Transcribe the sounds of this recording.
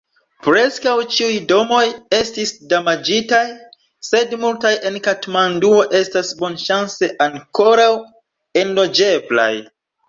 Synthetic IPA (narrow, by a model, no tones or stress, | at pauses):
pɾe̞skawt͡ʃiujdo̞mo̞je̞stisdamad͡ʒitaj | se̞dmultajʔe̞nkatmanduo̞ʔe̞stasbo̞nʃanse̞ʔaŋko̞ɾaw | e̞nlo̞d͡ʒe̞bla̰j